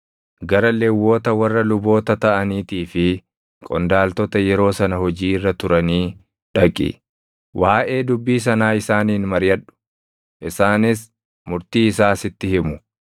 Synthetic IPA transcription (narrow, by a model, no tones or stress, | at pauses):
ɡɐɾɐlewːo̞ːt̪ɐwɐrːɐlʊbo̞ːt̪ɐt̪ɐʔɐniːt̪iːfɪ | kʼɔ̰nd̪aːlt̪ɔt̪ɐjɛɾo̞ːsɐnɐhɔd͡ʒiːɪrːɐt̪ʊɾɐniː | ᶑɐkʼɪ̰ | wʔaːʔe̞ːd̪ʊbːiːs̬ɐnaːɪsaːniːnmɐɾjɐᶑʊ̥ | ʔɪsaːnɪs | mʊɾt̪iːɪsaːsɪt̪ːɪhɪmʊ